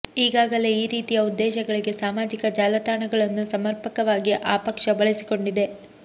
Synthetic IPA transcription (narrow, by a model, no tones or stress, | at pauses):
iːɡaːɡɐle̞iːɾiːt̪ijɐud̪ːɛːʃɐɡɐɭiɡe̞saːmaːd͡ʒikɐd͡ʒaːlɐt̪aːɳɐɡɐɭɐnːusɐmɐɾpɐkɐʋaːɡiʔaːpɐkʂɐbɐɭesi̥ko̞ɳɖid̪e̞